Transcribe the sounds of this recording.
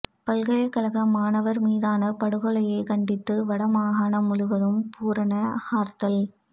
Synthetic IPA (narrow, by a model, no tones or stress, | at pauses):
pɐlɣɐɭɐkɐlɐɣɐmaːnɐʋɐɾmiːðaːnɐpɐɽɯɣɔɭɐjɐɪkɐɳɖɪt̪ːɯʋɐɽɐmaːɦaːɳɐmʊɻʊʋɐðɯmpuːɾɐnɐhaːɾt̪ɐl